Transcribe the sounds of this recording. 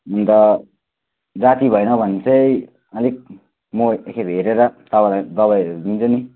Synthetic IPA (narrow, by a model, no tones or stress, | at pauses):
unt̪ʌ | d͡zat̪ibʱʌjnʌbʱʌnt͡sʰʌj | ʌlik̚ | moekʰebʱeɾeɾʌt̪ʌbalajd̪ʌβajdint͡sʌni